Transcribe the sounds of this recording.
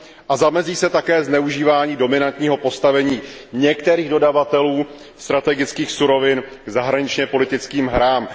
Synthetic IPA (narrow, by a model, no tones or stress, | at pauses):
ʔazamɛziːsɛt̪akɛːznɛuʒiːvaːɲiːdo̞mɪnant̪ɲiːɦo̞po̞st̪avɛɲiːɲɛkt̪ɛɾiːɣdo̞davat̪ɛluː | st̪ɾat̪ɛɡɪt͡skiːxsuɾo̞vɪnɡ̥zaɦɾaɲɪt͡ʃɲɛpo̞lɪt̪ɪt͡skiːmɦɾaːm